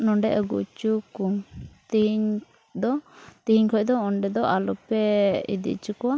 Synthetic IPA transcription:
nɔɳɖɛʔəɡṵt͡ʃukuŋt̪iɲ | d̪ɔt̪ihiɲkʰɔʔd̪ɔɔɳɖɛd̪ɔʔalɔpɛḭd̪ḭt͡ʃukɔwa

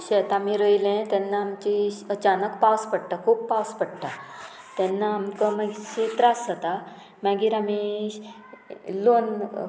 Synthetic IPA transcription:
ɕet̪amiɾəjlẽt̪jɛnːaːmt͡ɕiət͡ɕanəkpawspəɽʈ̪akʰuːppawspəɽʈ̪a | t̪ɛnːaːmkəmaɡiɕet̪ɾasət̪a | maɡiːɾami | lon

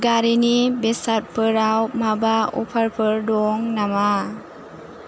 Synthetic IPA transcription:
ɡaɾinibesat̚pʰɯɾawmabaɔ̰pʰaɾpʰɯɾdɔŋnama

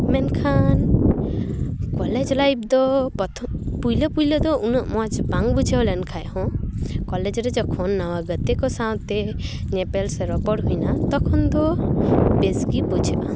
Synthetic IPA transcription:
mɛnkʰan | kɔlɛd͡ʒlajb̚d̪ɔpɔt̪ʰɔpujləpujləd̪ɔʔunɔʔmɔat͡ʃbaŋbud͡ʒʱeɔlɛnkʰajhɔ̃kɔlɛd͡ʒɾɛd͡ʒɔkʰɔnːawaɡət̪ɛkɔsawt̪ɛnɛpɛlsɛɾɔpɔɽɦujnat̪ɔkʰɔnd̪ɔ | bezɡibɔd͡ʒʱəʔã̰

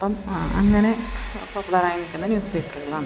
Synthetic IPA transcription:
ɐpːomɐŋːɐnepopːuɭɐɾaːjinikʲːunːɐnjuːspeːpːɐruɣɐɭaːɳɨ

